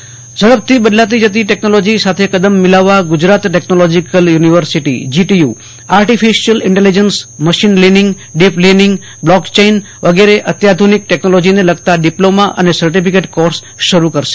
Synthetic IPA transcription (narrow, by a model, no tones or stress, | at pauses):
d͡ʒəɽəb̚t̪ʰibəd̪lat̪̬id͡ʒət̪̬iʈɛknolod͡ʒisat̪ʰekəd̪əmːɪlaʋːaɡʊd͡ʒɾat̪ʈeknolɔd͡ʒikəljuniʋəɾsiʈḭd͡ʒiʈiju | aɾʈifiʃiəlɪɳʈelid͡ʒənsməʃinlinɪ̃ŋɡ | ɖiplinɪŋɡ | blɔkt͡ʃein | ʋəɡeɾeʔət̪jad̪ʱunik̚ʈɛknolod͡ʒineləɡt̪aɖiplomaʔə̰nesəɾʈipikeʈkɔɾs | ʃəɾukəɾʃe̥